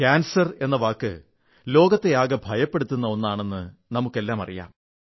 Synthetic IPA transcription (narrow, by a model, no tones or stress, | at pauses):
kaːnsɐre̞nːɐʋaːkːɨ̰ | lo̞ːɡɐt̪ːeaːɣɐbʱɐjɐpːe̞ɽut̪ːunːɐo̞nːaːɳe̞nːɨnɐmukːe̞lːaːmɐ̰rija̰ːm